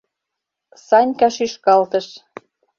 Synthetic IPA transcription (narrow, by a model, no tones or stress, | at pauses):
sɑnʲkɑʃyʃkɑlt̪ə̆ʃ